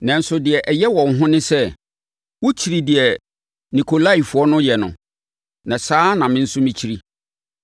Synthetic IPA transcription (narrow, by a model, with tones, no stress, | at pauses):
nã˨n̩˦sʊ˦dɪ˨ɛ˨ʔɛ˨jɛ˦wɔ̃˨n˦ɦʊ̃˦nɪ̃˦sɛ˦ | wɔ˦t͡ɕʰi˨ɾi˨dɪ˨ɛ˨ | nĩ˨kʰo˨la˦i˨fʊ˨˦ɔ˦nʊ̃˦jɛ˨nʊ̰̃˨ | nã˨saː˦nã˨mɪ̃˦n̩˦sʊ˦mɪ̃˦t͡ɕʰi˦ɾi˦